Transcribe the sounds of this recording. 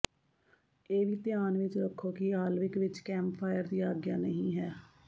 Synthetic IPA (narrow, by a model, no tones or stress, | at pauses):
eːʋiːt̪ɪjaːnʋɪt͡ʃɾəkʰːoːkiaːlʋɪkʋɪt͡ʃkɛ̃ːmppʰaːɪəɾd̪iːaːɡjaːnəɦĩːɦɛː